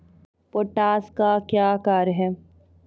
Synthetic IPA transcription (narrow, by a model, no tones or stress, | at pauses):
poʈaːskakjaːkaːɾɦɛː